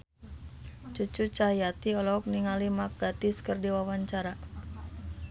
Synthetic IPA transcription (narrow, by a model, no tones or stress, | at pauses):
t͡ʃut͡ʃut͡ʃajat̪iɔlɔɔk̚niŋalimak̚ɡ̥at̪ɪskərdiwawaɲt͡ʃaɾa